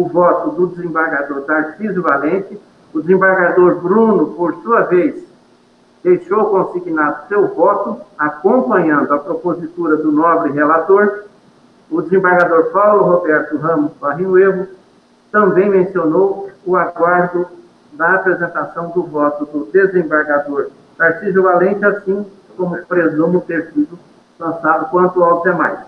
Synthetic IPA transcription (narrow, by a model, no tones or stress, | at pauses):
ʊvɔt̪ʊd̪ʊd͡ʒ̪ɪzẽmbaɾɡad̪oɾd̪asizʊvalẽt͡ʃ̪ɪ | ʊd̪ɪzẽbaɾɡad̪oɾbɾũnʊpoɾsuɐvejs | d̪̥ejʃowkõsiɡinad̪ʊsewvɔt̪ʊakõpɐ̃ɲɐ̃nd̪ʊɐpɾopozit̪uɾɐd̪ʊnɔbɾɪɦelat̪oɾ | ʊd͡ʒ̪ɪzẽbaɾɡad̪oɾfawlʊɦobɛɾt̪ʊɦɐ̃mʊsfaɦĩʊeɦʊ | t̪ɐ̃mbẽj̃mẽsionowʊaɡwaɾd̪ʊ | d̪ɐːpɾezẽnt̪asɐ̃w̃d̪ʊvɔt̪ʊd̪ʊd̪ezẽbaɾɡad̪oɾ | paɾsiʒʊvalẽnt͡ʃɪasĩ | kõmʊpɾezõmʊt̪eɾsid̪ʊ | lɐ̃sad̪ʊkwɐ̃nt̪ʊawt̪emajs